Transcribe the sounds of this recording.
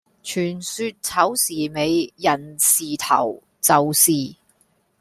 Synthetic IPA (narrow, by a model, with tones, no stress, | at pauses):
t͡ʃʰyː˨˩nsyː˧t̚t͡sʰɐ˨˥wsiː˨˩me˨˧jjɐ˨˩nsiː˨t̪ʰɐ̰˨˩w | t͡sɐ˨wsiː˨